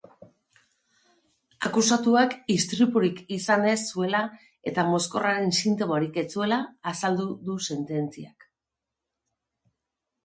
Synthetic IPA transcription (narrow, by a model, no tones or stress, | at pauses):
akusat̪uakist̪ɾipuɾikisane̞sːue̞la | e̞t̪amo̞sko̞raɾe̞nsint̪o̞moɾike̞t͡sue̞laːsald̪uðuse̞nt̪e̞nt͡siak